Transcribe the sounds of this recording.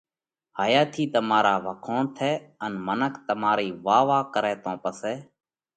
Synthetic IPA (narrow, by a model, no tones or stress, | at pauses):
haːjaːt̪ʰiːt̪əmaːɾaːʋəkʰoːnt̪ʰɛːənmənəkʰt̪əmaːɾiːʋaːʋaːkəɾɛːt̪õːpəsɛː